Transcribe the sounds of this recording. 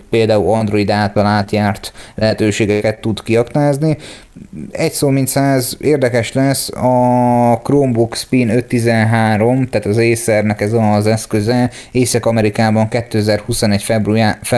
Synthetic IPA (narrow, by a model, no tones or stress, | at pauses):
peːld̪aːulɒnd̪ro̞id̪aːt̪ɒlaːt̪jaːrt̪lɛɦɛt̪øːʃeːɡɛkɛt̪ːud̪kiɒknaːzni | ɛcsoːmint̪saːzeːrd̪ɛkɛʃlɛsɒkroːmbokspinø̞t̪ːizɛnɦaːɾo̞mt̪aːt̪ɒzeːsɛrnɛkɛzɒzɛskøzɛ | eːsɛkɒmɛɾikaːbɒŋkɛt̪ːøɛzɛrhusonɛcfɛbruf